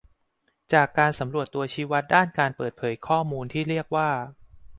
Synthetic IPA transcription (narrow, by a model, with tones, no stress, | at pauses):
t͡ɕaː˨˩kːaː˧nsa˩˦mɾu˨˩ət̪ːu˧ɐt͡ɕʰiː˦˥wa˦˥t̪̚daː˥˩nkaː˧npɤː˨˩t̪̚pʰɤː˩˦jkʰɔː˥˩muː˧nt̪ʰiː˥˩ɾi˥˩ək̚waː˥˩